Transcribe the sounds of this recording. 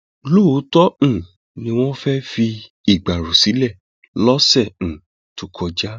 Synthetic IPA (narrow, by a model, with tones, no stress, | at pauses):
lo˦o˨˦tɔ˦ũ˦˨ | nĩ˧w̃ɔ̃˦fɛ˦fi˧ | i˨ɡ͡ba˨ɾu˨si˨˦lɛ˦˨ | lɔ˦sɛ̃˦˨ | tu˨kʰɔ˧d͡ʒa˦